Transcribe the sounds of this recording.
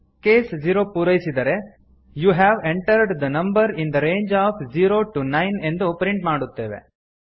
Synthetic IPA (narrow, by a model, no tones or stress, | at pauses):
keːsd͡ʒiɾoːpuːɾɐjisid̪ɐɾe̞ | juːɦæːʋẽɳʈɐɾɖd̪ɐnɐ̃mbɐɾĩnd̪ɐɾeːnd͡ʒaːfd͡ʒiːɾoːʈunɐjne̞nd̪upɾiɳʈmaːɽut̪ːe̞ːʋḛ